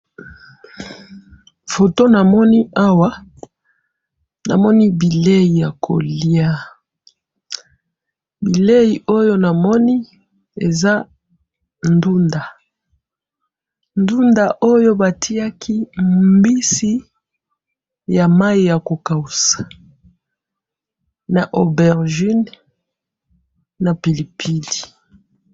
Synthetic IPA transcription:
fo˨to˦na˨mɔ˦ni˦ʔa˦wa˦ | na̰˨mɔ˦ni˦bi˨le˦ji˨ja˨kʰo̰˨li˦a˦ | bi˨le˦ji˨ʔo˦jo˦na˨mɔ˦ni˦ | e˨za˦ | ndu˦nda˨ | ndu˦nda˨ʔo˦jo˦ba˨tʰi˦a˦kʰi˦mmbi˦si˦ | ja˨ma˦i˦ja˨ko˨ka˨u˨sḁ˨ | na˨ʔo˨bɛ˨ʁʒi˦n | a˨pi˨li˨pʰi˦di̥˨

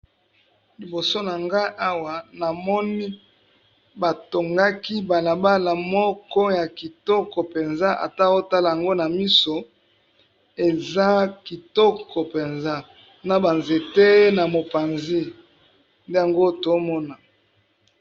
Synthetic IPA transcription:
li˨bo˨so˦na˨ŋɡa˦ʔa˦wa˨na˨mɔ˦ni˦ | ba˨to˨ŋɡa˦ki˦ba˨la˨ba˦la˨mɔ˦kɔ˦ja˨ki˨tɔ˦kɔ˨pe˨nza˦ʔa̰˨ta˦o˦ta˦la˨ja˨ŋɡo˦na˨mi˦so˨ | e˨za˦ki˨tɔ˦kʰɔ˨pe˨nza˦ | na˨ba˨nze˨te˦na˨mo˨pa˨nzi˦ | nde˦ja˨ŋɡo˦to˨˦mɔ˦na˨

